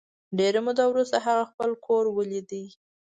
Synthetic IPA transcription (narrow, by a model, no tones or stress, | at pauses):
ɖeɾemud̪awɾust̪aɦaɣaxpəlkʰoɾwəlid̪i